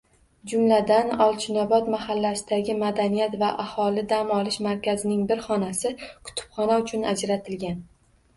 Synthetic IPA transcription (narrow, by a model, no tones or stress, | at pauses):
d͡ʒʊmlad̪anɒlˠt͡ʃʰʊnabɒt̪mahalːasɪd̪aɡʲɪmad̪anijat̪vaʔahɒlɪd̪amɒlɪʃmaɾkʲazɪnɪŋbɪɾχɒnasɪkʰʊ̥t̪ʰɪ̥pχɒnaʊt͡ʃʰʊnad͡ʒɾat̪ʰɪlɡʲan